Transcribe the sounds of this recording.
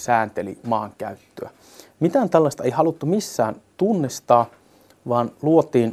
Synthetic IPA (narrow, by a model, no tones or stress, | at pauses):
sæːnt̪elḭmɑːŋkæ̰yt̪ːøæ | mit̪æːnt̪ælːɑst̪ɑeihɑlut̪ːumisːæːnt̪unːist̪ɑː | ʋɑːnluot̪iːn